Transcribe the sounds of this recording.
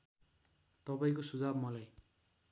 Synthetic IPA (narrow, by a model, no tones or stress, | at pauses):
t̪ʌpaĩkosud͡zabmʌlaj